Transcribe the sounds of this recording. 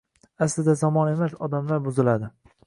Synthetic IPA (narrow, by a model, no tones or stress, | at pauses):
aslɪd̪azɒmɒne̞masɒd̪amlaɾbʊzɪlad̪ɪ